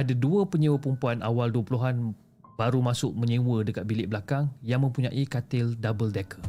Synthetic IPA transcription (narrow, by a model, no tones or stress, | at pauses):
ʔadaduəpəɲĩwəpəɾumpuanawalduəpuluɦan | baɾumãsʊʔ̚mə̃ɲĩwədəkat̪̚bilɪʔbəlakaŋjaŋmə̃mpuɲãʔikat̪ɪldabəldɛkʰə